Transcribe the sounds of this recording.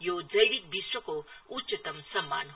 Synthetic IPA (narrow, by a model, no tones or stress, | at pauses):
jod͡ʒɐjʋikbʱiswəkoutːt͡ʃɐt̪ɐmsɐmːa̰ːnɦ